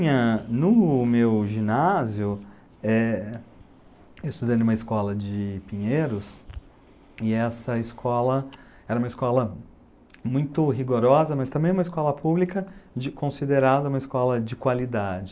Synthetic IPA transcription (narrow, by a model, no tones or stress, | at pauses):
ɲɐnʊmewʒĩnazjʊ | ɛ | eɪst̪ud̪ɐ̃d̪ʊũmɐɪskɔlɐd͡ʒɪpĩɲeɾʊs | ɪɛsɐɪskʰɔlɐ | ɛɾɐũmɐɪskɔlɐ | mũj̃t̪ʊɦiɡoɾɔzɐmɐst̪ɐ̃mbẽj̃ũmɐɪskɔlɐpublikɐd͡ʒɪkõsid̪eɾad̪ɐũmɐiskɔlɐd͡ʒɪkwalid̪ad͡ʒɪ